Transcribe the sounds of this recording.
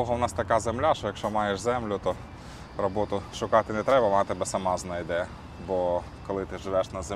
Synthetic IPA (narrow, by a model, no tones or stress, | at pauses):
ɔɦɔwnɑst̪ɐkɑzemlʲaʃt͡ʃɔjɐkʃt͡ʃɔmɑjeʃzɛmlʲʊt̪ɔ | ɾɔbɔt̪ʊʃʊkɑt̪ɪnɛt̪ɾɛbɐmɑt̪ɪbɛsɐmɑznɐjd̪ɛ | bɔ | kɔlˠɪt̪ɪʒɪʋɛʃnɐz